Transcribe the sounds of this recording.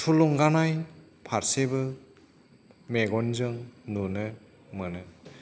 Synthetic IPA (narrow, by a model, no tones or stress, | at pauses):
tʰuluŋɡanaj | pʰaɾsebɯ | meɡɔnzɯŋnunɯ | mɯnɯ